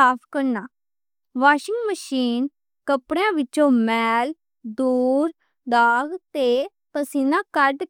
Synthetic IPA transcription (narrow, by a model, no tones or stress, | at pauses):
aːpʰkəɾnaː | ʋaːʃɪ̃ŋɡməʃiːn | kəpɽeãːʋɪt͡ʃõːmɛːl | d̪uːɾ | d̪aːɡt̪eː | p̪əsiːnãːkəɾɖ